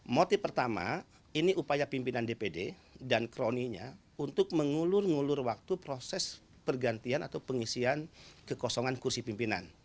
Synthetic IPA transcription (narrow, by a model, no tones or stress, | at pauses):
mot̪ifpːərt̪ama̰ | iniʔupajapimpinandepede | dankɾoniɲa̰ | unt̪ʊk̚məŋulʊrŋulʊrwak̚t̪upɾosɛs | pərɡant̪iana̰t̪awpəŋisiankəkɔsɔŋankursipimpina̰n